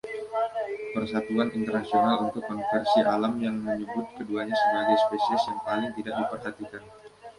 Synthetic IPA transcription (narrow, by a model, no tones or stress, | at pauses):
pərsat̪uanʔint̪ərnasionalunt̪ʊkːɔnfɛrsiʔalamjaŋməɲəbʊt̪̚kəduaɲasəbaɡajspesiɛsjaŋpalɪŋt̪idaʔ̚dipərɦat̪ikan